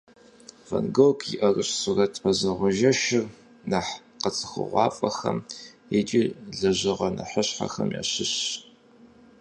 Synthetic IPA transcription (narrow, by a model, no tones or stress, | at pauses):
vɐnɡokʰʼjiʔɐrɨɕsurɐtʰʼfɐzɐʁʷʊʒɐʃɪr | naħ | qət͡sʼɨ̥xə̰ʁʷɑːfʼɐxɐm | et͡ʃʼiːɮɐʑɪʁɐnɐħəɕħa̰xɐmja̰ːɕɪɕ